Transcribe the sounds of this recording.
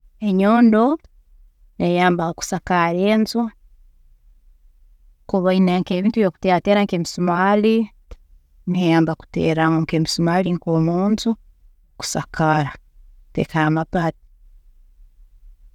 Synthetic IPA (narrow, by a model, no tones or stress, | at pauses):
eɲoːndo | nejaːmbaku̥sakaɾeːnzu | koβainaŋkeːβiːntujoku̥teateɾaŋkemisumali | nejaːmbaku̥tḛːɾaŋoŋkeːmisumaːliŋkomuːntu | ku̥sa̰kaɾatḛkaamapati̥